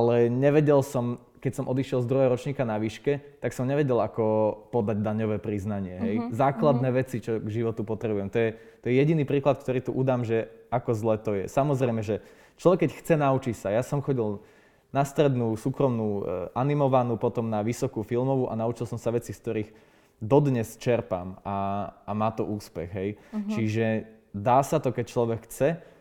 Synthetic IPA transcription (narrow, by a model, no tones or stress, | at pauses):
ʔalɛɲɛʋɛɟɛlsɔm | kɛcsɔmʔɔd̪iʃɪɛlˠzd̪ɾuɦɛɦɔɾɔt͡ʃɲiːkanaʋiːʃkɛt̪aksɔmɲɛʋɛɟɛlakɔpɔd̪aɟ̚d̪aɲɔʋɛːpɾiznaɲɪɛɦɛjzaːklad̪nɛːʋɛt͡sit͡ʃɔɡʒiʋɔt̪upɔt̪ɾɛbujɛmt̪ɔjɛ | t̪ɔjɛjɛɟiniːpɾiːklat̪̚k̚t̪ɔɾiːt̪uʔud̪aːmʒɛakɔzlɛːt̪ɔjɛ̰samɔzɾɛɪmɛʒɛ | t͡ʃlɔʋɛkːɛcxt͡sɛnaut͡ʃicsajasɔmxɔɟil | nast̪ɾɛd̪nuːsuːkɾɔmnuːʔanimɔʋanuːpɔt̪ɔmnaʋisɔkufilˠmɔʋuʔa̰naut͡ʃilˠsɔmsaʋɛt͡sisk̚t̪ɔɾiːɣ | d̪ɔd̪ɲɛst͡ʃɛɾpa̰maamaːt̪ɔʔuːspɛɣɦɛjt͡ʃiʒɛ | d̪aːsat̪ɔkɛc̚t͡ʃlɔʋɛkxt͡sɛ